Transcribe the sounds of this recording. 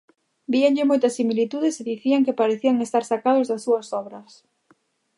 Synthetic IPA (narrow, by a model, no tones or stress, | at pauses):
biaŋʎɪmojt̪ɐsimilit̪uðeseðiθiaŋkɪpaɾeθiaŋest̪aɾsakaðʊzðɐsːuɐsɔβɾɐs